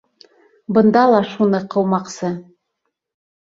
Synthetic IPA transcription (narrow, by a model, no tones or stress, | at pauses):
bɤ̆nd̪ɑlˠɑʃunɤqʰɤ̆wmɑqsɤ